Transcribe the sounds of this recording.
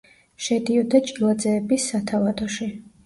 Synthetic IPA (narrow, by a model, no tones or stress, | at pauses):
ʃɛd̪iɔd̪at͡ʃʼilˠad̪zɛːbisːat̪ʰavad̪ɔʃi